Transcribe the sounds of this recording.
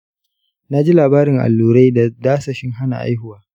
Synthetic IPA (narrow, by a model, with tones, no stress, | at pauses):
na˦d͡ʒi˦laː˨baː˦ɾɪ˨ŋʔa̰˨lːuː˨ɾa˦jda˨daː˦sɐ˨ʃɪ˦ŋɦa˦na̰˨ʔa̰˦jhʊ˨waː˦